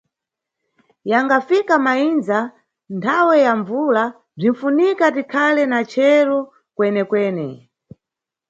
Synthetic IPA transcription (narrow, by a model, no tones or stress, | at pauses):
jaŋɡafikamainza | ntʰawɛjaɱvula | b͡ʐinfunikatikʰalɛnat͡ʃʰɛɾɔ | kwɛnɛkwɛːnɛ